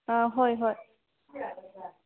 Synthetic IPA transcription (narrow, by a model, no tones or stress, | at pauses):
ãɦojɦoj